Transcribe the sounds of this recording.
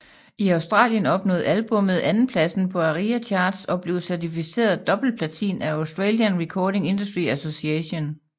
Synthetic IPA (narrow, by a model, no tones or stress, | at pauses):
iɑ̈ʊsd̥ʁɑ̰̈ːljənɒ̽b̥nɔ̰̽ːð̞̩ˠælb̥ɔ̽mð̩ˠænn̩pʰlæsn̩pʰɒ̽æʁiæt͡ɕʰɑ̈ːd̥sɒ̽b̥le̝ʊsæɐt͡sʰifise̝̰ːɐð̩ˠd̥ɒ̽b̥l̩pʰlæt͡sʰḭːnæɑʊsd̥ʁeːljənʁikʰɒːde̝ŋe̝nd̥usd̥ʁiæso̝siɛɕo̝n